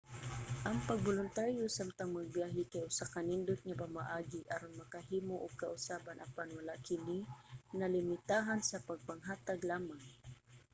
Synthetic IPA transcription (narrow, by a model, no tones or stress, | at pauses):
ʔɐŋpaɡ̚bolʊnt̪aɾjʊsamt̪aŋmaɡ̚bjaːɦɪkajʔʊsakanɪnd̪ʊt̪̚ɲapamaʔaːɡɪʔɐɾʊnmɐkaɦiːmoʔʊkaʔʊsaːbanʔapanwɐlaʔkɪninɐlɪmɪt̪aːɦansɐpaɡ̚paŋɦaːt̪aɡlaːmaŋ